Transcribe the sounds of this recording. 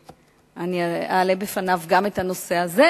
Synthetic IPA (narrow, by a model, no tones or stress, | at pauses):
aniaaːlebefanavɡame̞t̪hano̞se̞aze